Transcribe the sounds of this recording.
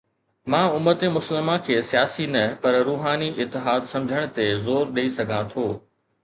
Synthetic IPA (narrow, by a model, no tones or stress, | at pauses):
mãːʊmət̪emʊsəlmãkʰeːsijaːsinɐpɐɾɾuːɦaːniʔɪt̪ːɪɦaːd̪sɐ̃md͡ʑʱəɽ̃t̪ezoːɾɗeisɐɡʱãt̪ʰoː